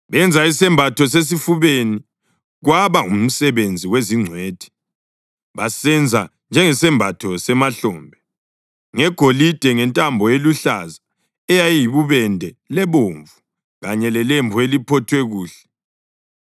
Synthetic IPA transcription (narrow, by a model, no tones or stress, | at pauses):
βɛnd͡zʱaisɛmbʱatʰɔs̬es̬ifuβeni | ɣwaβaum̩sɛβend͡zʱiweziŋ͡ǀʱweːd̥ʱi̥ | βasɛnd͡zʱa | nd͡ʒʱɛŋɛsɛmbʱatʰɔsɛmaɬɔːmbʱɛ | ŋɛɡ̥ʱolid̥ʱɛŋɛntʼambʱɔeluɬaza | ɛjajiβuβɛndʱɛlɛβoːɱvu | ɣaɲɛlɛleɱbʱuelipʰɔtʰwɛɣuːɬɛ̥